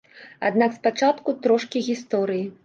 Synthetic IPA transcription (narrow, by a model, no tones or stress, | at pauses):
a̰d̪nakspat͡ʂat̪kut̪ɾɔʂkʲiɣʲist̪ɔɾɨji